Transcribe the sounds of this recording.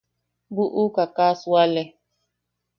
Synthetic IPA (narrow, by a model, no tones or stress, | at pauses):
buʔukakasualɛ